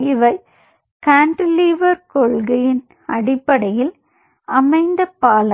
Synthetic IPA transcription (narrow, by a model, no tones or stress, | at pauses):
ɪʋɐɪ | kaːɳʈliːʋɐɾkɔɭɣɐjɪn | ɐɽɪpːɐɽɐjɪl | ɐmɐɪnd̪ɐpːaːlɐ